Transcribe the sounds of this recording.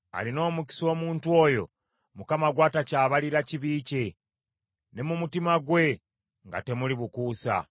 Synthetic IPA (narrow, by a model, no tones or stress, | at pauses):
a̰lino̞ːmuki̥so̞ːmuːntwo̞jo̞̰ | mukamaɡwaːtacaːβaliɾaciβiːce̞ | ne̞mumutimaɡwe̞ | ŋɡa̰te̞muliβukuːsa̰